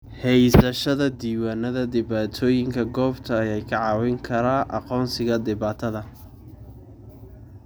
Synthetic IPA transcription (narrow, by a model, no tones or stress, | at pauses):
hɛjsɐʃɐðɐd̪iːwaːnɐðɐd̪ɪβaːt̪ʰɔːjɪŋkʰɐɡɔːbt̪ʰɐːjɛjkʰɐʕɑːwɪŋkʰɐɾaːʔɑ̰qɔːnsɪɣɐd̪ɪβaːt̪ʰɐðɐ